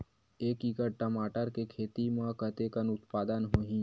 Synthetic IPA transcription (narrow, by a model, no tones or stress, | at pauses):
eːkiːkəɾʈəmaːʈəɾkekʰeːt̪imãkət̪ekənʊt̪paːd̪ənɦoːɦĩ